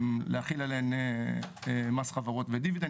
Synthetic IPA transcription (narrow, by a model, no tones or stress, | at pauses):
mleaχilaleene | emasχavaʁot̪ved̪ivid̪a